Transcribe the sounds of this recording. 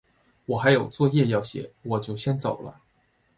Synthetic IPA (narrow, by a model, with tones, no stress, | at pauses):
wɔ˨˩xa˧˥ɪjo˨˩ʊt͡swɔ˥˧jɛ˥˧jɑ˥˩ʊɕjɛ̰˨˧˥wɔ˨˩t͡ɕjo˥˩ʊɕjɛ˥nt͡so˨˩ʊlə̰˦